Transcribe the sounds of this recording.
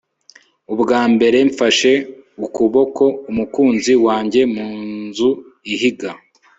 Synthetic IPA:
ubɡaːmbe̞ɾe̞ɱfaʃe̞ukuβo̞ko̞umukuːnziwaːɲɟe̞muːnzu | iɦiɡa

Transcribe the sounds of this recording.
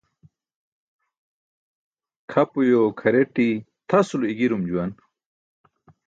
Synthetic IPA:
kʰɐpujokʰɐɾeʈit̪ʰɐsuluiɡiɾumd͡ʑuwɐn

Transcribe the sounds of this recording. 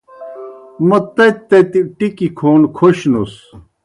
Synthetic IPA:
mɐt̪ɐt̪ːɐt̪iʈikikʰoːnkʰoɕnos

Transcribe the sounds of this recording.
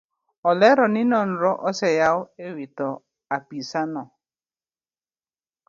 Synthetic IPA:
ɔlɛɾɔnɪnɔn̩ɾɔʔɔsɛjaʊewitɔ | apisanɔ

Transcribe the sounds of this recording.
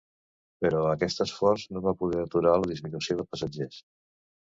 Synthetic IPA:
pəɾɔəkɛst̪əsfɔrznoβapuðɛɾət̪uɾaləðizminusioðəpəsəd͡ʒes

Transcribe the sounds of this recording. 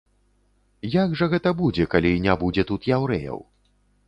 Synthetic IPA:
jaɡʐɐɣɛt̪ɐbud͡zʲɛkalʲinʲabud͡zʲɛt̪ut̪jawɾɛjɐ̰w

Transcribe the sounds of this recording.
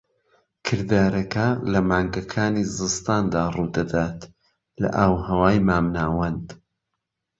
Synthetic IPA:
kʰɨɾd̪aːɾɐkɐlɐmaːŋɡɐkʰaːnizɨst̪aːnd̪aːruːd̪ɐd̪aːt̪ | lɐ̰ʔawhɐwaːjmaːmnaːwɐnd̪

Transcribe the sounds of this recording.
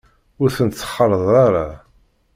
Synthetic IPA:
ʊɾθənt̪t͡sːə̥χːəɾˤðˤɑɾˤɑ

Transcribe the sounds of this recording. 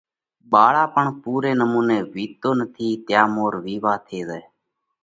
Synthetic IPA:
ɓaːɭaːpəɳpuːɾeːnəmuːneːʋiːt̪oːnət̪ʰiːt̪jaːmoːɾʋiːʋaːt̪ʰeːzeː

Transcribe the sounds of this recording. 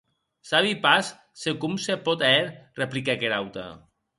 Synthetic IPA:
saβipas | sekumsepɔt̪eɾreplikekeɾawt̪a̰

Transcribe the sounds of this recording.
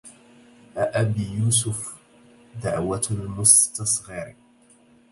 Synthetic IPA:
ʔaʔabijuːs̬ʊf | d̪aʕwalmʊst̪ɑsˤɣɑɾ

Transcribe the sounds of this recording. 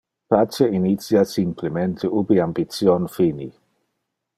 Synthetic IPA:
pat͡ʃeinit̪sjasimplement̪ʰeubiambit̪sjonfinḭ

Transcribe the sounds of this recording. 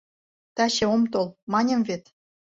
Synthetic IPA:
t̪ɑɕĕomt̪olmɑnʲɤ̆mvet̪

